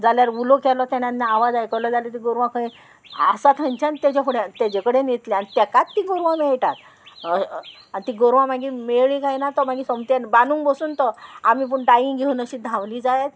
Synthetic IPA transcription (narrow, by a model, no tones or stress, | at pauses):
d͡zaljaɾulɔkʰɛlɔt̪anjãnnaːʋad͡zajkəɾlɔd͡zalet̪̬iɡoɾʋãkʰəĩ | a̰sat̪ʰə̃nt͡ɕant̪ad͡ʑapuɽet̪ad͡ʑekəɽenet̪liaɽit̪akat̪ːiɡoɾʋãmeɭʈat̪ | anit̪iɡoɾʋãmaɡimeɭikajnat̪ɔmaɡisəmt̪anbanuːŋbəsuːnt̪ɔamip̬əɳɖajiŋɡʱeunəɕid̪ʱãwliːd͡zajet̪̚